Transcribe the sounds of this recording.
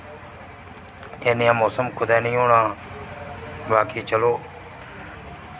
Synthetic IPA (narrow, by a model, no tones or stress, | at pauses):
ẽːnɪjãːmoːsəmkʰʊd̪ɛːnĩːɦoːɳãː | baːkʰiːt͡ʃəloː